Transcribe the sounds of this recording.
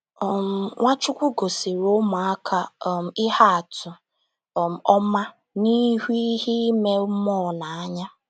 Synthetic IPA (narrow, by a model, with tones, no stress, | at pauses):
ɔ˨m̩˨ŋʷa˦t͡ʃʊ˦kʷu˦ɡo˨si˨ɾo˦mʊ˨a˦kʰa˦˨m̩˨ɪ˦ha˦a˨tʊ˨ | ɔ˦ma˦ | ni˦ɦʷi˦hi˦me˦mɔ˦˨na˨a˦ɲa˦